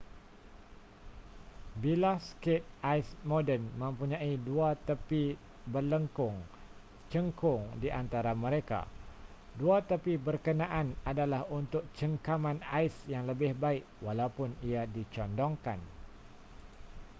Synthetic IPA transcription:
bilaskɪt̪̚ʔaismodənmə̃mpuɲãiduat̪əpi | bərləŋkʊŋ | t͡ʃəŋkʊŋdiʔant̪aɾamə̃ɾeka̰ | duat̪əpibərkənãʔanadalahunt̪ʊk̚t͡ʃəŋkamãnaɪsjaŋləbɪhbaɪkwalaupʊniadit͡ʃɔndɔŋka̰n

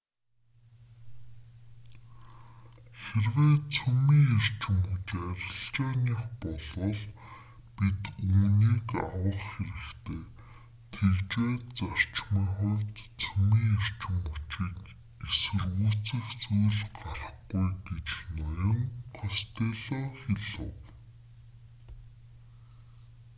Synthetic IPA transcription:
xerweːt̪t͡sʰumiːŋar̥t͡ɕɪ̆mut͡ɕæɾʲɪ̆ɬt͡ɕaːniːχpɔɮʊːɮ | pit̪uːniːkawə̆χxeɾɘ̆kt̪ʰeː | t̪ʰekeːt͡sar̥t͡ɕmiːŋχʊrʲt̪t͡sʰumiːŋar̥t͡ɕɪ̆mut͡ɕiːk | esɘ̆rɣuːt͡sɘ̆xt͡sujɮɢarχɡujɡet͡ɕnɔjɞ̆ŋqʰʊst̪eːɮɔːxeɮɘ̰̆w

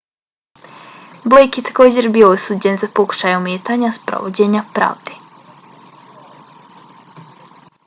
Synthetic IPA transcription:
blejkjet̪ako̞ːd͡ʑe̞ɾbijo̞osuːd͡ʑe̞nzapo̞ku̥ʃaːjumeːt̪aɲaspɾo̰ʋod͡ʑe̞ːɲapɾa̰ːʋd̪e

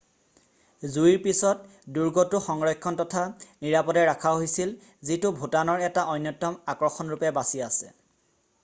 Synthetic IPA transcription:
zuiɹpisɔt̚ | duɹɡɔtʊxɔŋɹɔjkʰːɔntɔtʰaniɹapɔdɛɹakʰaɦojsil | zitʊbʱutanɔɹɛtaʔɔjnːɔtːɔmakɹɔxɔnɹupɛbasiasɛ̰

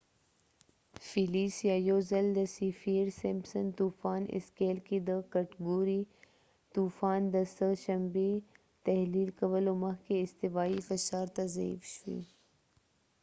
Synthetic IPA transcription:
filiːsjaːjoːzɐld̪ɐsifiːɾsempsənt̪uːfaːnɪ̰skeːlkid̪əkɐʈɡuːɾiː | t̪uːfaːnd̪ɐsəʃɐmbe | t̪ɐɦliːlkɐʋəlomɐɦkeɪst̪ɪʋaːifɐʃaːɾt̪ɐzɐḭːfʃḭː

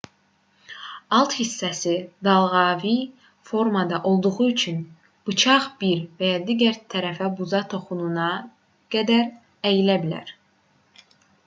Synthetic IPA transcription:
ɑlˠt̪hisːæsid̪ɑlˠʁɑːvi | fo̞ɾmɑd̪ɑʔo̞lˠd̪uʁuyt͡ʃʰyn | b̥ɯt͡ʃʰɑʁb̥iɾvæjɑd̪iːɟæɾt̪ʰæɾæfæbuzɑt̪ʰo̞χununɑ | ɡ̥æd̪æɾ | æjilæbilæ̰ɾ

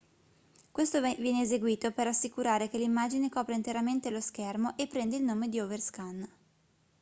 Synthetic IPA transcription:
kwest̪ovjɛːneːzeɡwiːt̪operasːikuɾaːɾekelimːaːd͡ʒinekɔːpɾeint̪eɾament̪elosk̟ermoʔepːɾɛnd̪eilnoːmed̪ioverskan

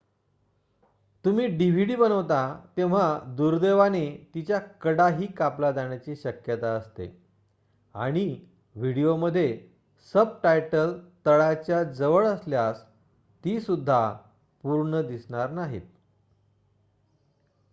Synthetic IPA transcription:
t̪umiːɖiʋ̤iɽiːbənəʋt̪at̪eʋ̤ad̪uɾd̪eʋanet̪it͡ɕjakəɽaɦiːkaplad͡z̪aɳ̃jat͡ɕiːɕəkjət̪aəst̪ḛ | aɽ̃i | ʋiɽijoməd̪ʱːje | səb̚ʈajʈəlt̪əɭat͡ɕjad͡zəʋəɭəsljas | t̪iːsud̪ʱːa | puɾɳəd̪isɳ̃aɾnaɦḭt̪̚

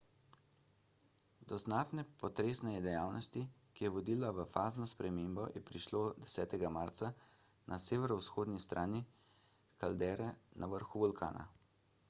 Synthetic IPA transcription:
d̪ɔznaːt̪nɛpɔt̪ɾeːsnɛɛd̪ɛjaːwnʔɔst̪ikijɛʋɔd̪iːlaʋəfaːznɔspɾɛmeːmbɔjɛpɾiʃloːd̪ɛsɛːt̪ɛɡamaɾt̪sa | nʔaseːʋɛɾɔwsxoːd̪nist̪ɾʔaːni | kald̪ɛːɾɛnʔaʋəɾxuʋɔlkʰa̰ːna̰

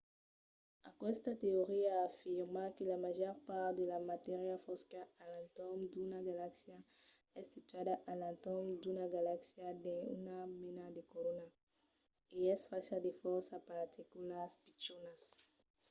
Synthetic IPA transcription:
akwɛst̪at̪eoʁiaːfiʁmakelamaʒɔɾpaɾt̪d̪elamat̪ɛʁjafɔskaalant̪ɔmd̪unaɡalaksja | ɛsːit̪yad̪aʔalãnt̪ɔmd̪unaɡalaksjad̪eṵnamenad̪ekoɾona | eɛsfaʃad̪efɔɾsapaɾt̪ʰikulaspit͡ʃonas

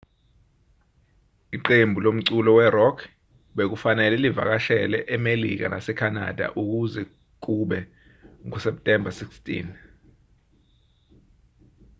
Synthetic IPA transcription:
iǃembʱulom̩ǀulɔwɛrɔkʰ | ɓek̬ufanɛlɛliva̰k̬aʃɛlɛʔɛmelḭk̬a̰na̰sɛkʰana̰d̥ʱa̰ʔuk̬uzɛ | k̬uɓɛ | ŋɔsɛp̚tʼɛmbʱasikstʼḭn

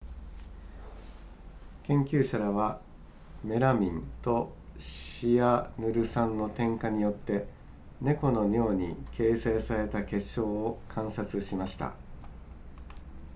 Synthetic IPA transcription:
kẽ̞ŋkʲɨːɕaɾaβa | me̞ɾamʲĩnt̪o̞ɕianɯ̟ɾɯ̟sãnːo̞t̪ẽ̞ŋkaɲ̟ijo̞t̪ːe̞ | ne̞ko̞no̞ɲʲo̞ːɲ̟ikʰe̞ːse̞ːsaɾe̞t̪ake̞ɕːo̞ːkʰãɰ̃sat͡sɨɕimaɕi̥t̪a̰

